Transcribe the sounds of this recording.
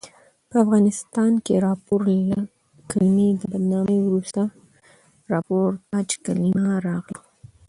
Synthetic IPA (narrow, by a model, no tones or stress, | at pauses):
pəafɣɑnɪst̪ɑnkeɾɑpoɾla | kalimid̪əbad̪nɑmewɾust̪a | ɾɑpoɾt̪ɑd͡ʒkalimaɾɑɣlo